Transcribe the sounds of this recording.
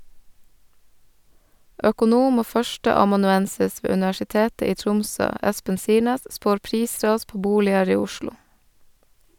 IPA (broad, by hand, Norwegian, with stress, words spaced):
œkʊˈnuːm ˈoː ˈfœʃtəɑmɑnʉˌɛnsɪs ˈʋeː ʉnɪʋæʃɪˈteːtə ˈiː ˈtɾʊmsøː ˈɛspən ˈsiːɳeːs ˈspoːɾ ˈpɾiːˌsɾɑːs ˈpoː ˈbuːlɪəɾ ˈiː ˈʊʃlʊ